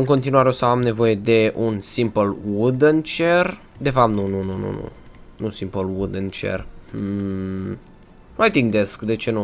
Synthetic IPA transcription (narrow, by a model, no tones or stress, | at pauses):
ɨŋko̞nt̪inuaɾeo̞səamne̞vo̞je̞d̪e̞ʔunsimpəlwud̪ɨnt͡ʃer | d̪e̞fap̚t̪nunununṵnṵ | nusimpəlwud̪ɨnt͡ʃḛr̩ | nuajt̪iŋɡd̪eskd̪e̞t͡ʃe̞nu